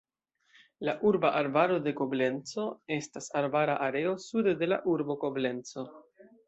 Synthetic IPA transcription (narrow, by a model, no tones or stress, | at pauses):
laʔuɾbaʔaɾbaɾo̞de̞ko̞ble̞nt͡so̞e̞stasaɾbaɾaʔaɾeo̞sudde̞la̰ʔuɾbo̞ko̞ble̞nt͡so̞